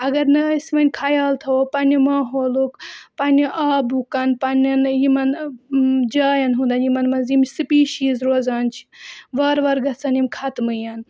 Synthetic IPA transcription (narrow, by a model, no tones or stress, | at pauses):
ɐɡɐɾnɐsmɐnʲkʰajaːlt̪ʰɐopɐnʲɐmaːɦoːlukpɐnʲiʔaːbukɐnpɐnʲɐnjimɐn | d͡ʒaːjɐnɦũnd̪ɐnjimɐnmɐnzimsɨpiːʃiːzɾoːzaːnt͡ʃʰi̥ʋɐɾʋɐɾɡɐt͡sɐnimkʰɐt̪mɨjɐn